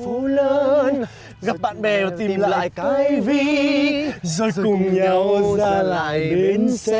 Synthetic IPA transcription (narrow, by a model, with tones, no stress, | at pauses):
u˨˦ləː˧˦n | ɣa˨˩p̚ɓa̰ː˧˨nɓɛ˨˩vaː˨˩t̪i˨˩mla̰ːa̰˧˨˧ja˧jvi˧˨ | zo˧˩jkʊ˨˩ŋ͡mɲa˧wzzaː˧la̰ː˧˨jjɗe˨˦ns